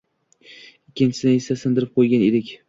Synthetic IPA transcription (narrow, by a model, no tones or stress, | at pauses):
ɪkʲʰːɪnt͡ʃʰɪ̥sɪd̪aɪsasɪnd̪ɪɾɪp̚qʰojɡʲaned̪ɪkʲ